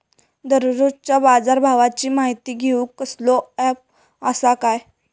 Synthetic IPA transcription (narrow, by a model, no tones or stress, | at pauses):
d̪ʱəɾuɾot͡ɕabad͡zaɾbʱaʋat͡ɕiːmaɦit̪iːɡʱeukːəslɔɛp̚ | əsakaj